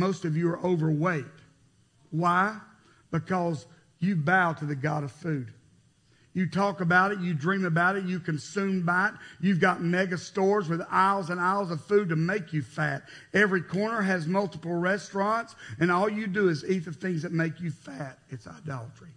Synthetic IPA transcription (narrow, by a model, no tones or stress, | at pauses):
moʊstʌvjɨə˞ʔoʊvə˞weɪt̚ | waɪ | b̥ɨkʰʌz | jɨbaʊɾɨðɨɡɑɾʌv̥fʉd | jɨtʰɔkəbaʊɾɨt̚jɨdɹĩmɨbaʊɾɨt̚jɨkʰɨ̃nsʉ̃mbaɪtjʉvɡɑt̚mɛɡɨstɔɹzwɨðaɪlˠzɨ̃naɪlˠzʌv̥fʉd̚tɨmeɪkʰjɨfæɾ | ɛvɹikʰɔɹnə˞ɨzmʌlˠtəpl̩ˠɹɛstɹ̥ɑ̃ntsɨ̃nɔlˠjɨdɨːziθʌv̥θɪ̃ŋzðɨt̚meɪkjɨfæɾɨtsa̰ɪdɑlˠət͡ʃɹ̥i